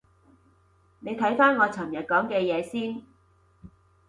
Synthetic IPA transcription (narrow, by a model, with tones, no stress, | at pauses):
ne˨˧jt̪ʰɐ˨˥jfaː˥nŋɔː˨˧t͡sʰɐ˨˩mjɐ˨t̚kɔː˨˥ŋkɛː˧jɛː˨˧siː˥n